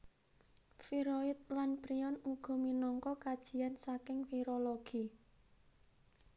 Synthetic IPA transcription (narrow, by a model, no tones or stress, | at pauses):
fiɾoɪt̪̚lanpɾiɔnuɡ̥ɔ̤minɔŋkɔkad̥ʒ̥i̤ansakɪŋfiɾoloɡ̥i